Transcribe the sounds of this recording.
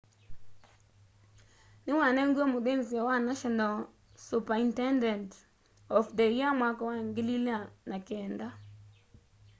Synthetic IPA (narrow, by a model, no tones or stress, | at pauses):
nɪŋwanɛŋɡwomʊdenziawanaʃɔnal | supaintɛndɛnt | ɔfdejamwakɔwaŋɡɪlilanakɛnda